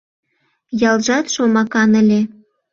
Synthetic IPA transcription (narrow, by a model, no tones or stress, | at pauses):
jɑlʒɑt̪ʃomɑkɑnəlʲe